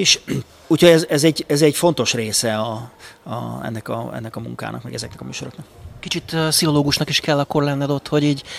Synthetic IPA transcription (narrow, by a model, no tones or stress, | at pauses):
eːʃ | uːcho̞ɟɛzɛzɛɟɛzɛɟfo̞nt̪o̞ʃreːsɛɒ̰ | ɛ̰nːɛkɒ̰ɛ̰nːɛkɒmṵŋka̰ːnɒ̰kmɛɡɛzɛknɛkɒmy̰ːʃo̞ɾoknɒkkit͡ʃit̪ːsiɦo̞loːɡuʃnɒkiʃkɛlːɒkːo̞rlɛnːɛd̪o̞t̪ːho̞ɟiːɟ